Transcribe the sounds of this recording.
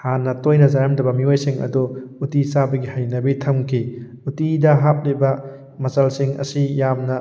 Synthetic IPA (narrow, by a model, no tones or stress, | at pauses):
hanːɐtojnɐzaɾɐmdɐbɐmiojsiŋɐ̰duutisabɐɡihajnɐbitʰɐmkʰi | utidɐɦap̚libɐ | mɐsɐlsiŋɐ̰sijamnɐ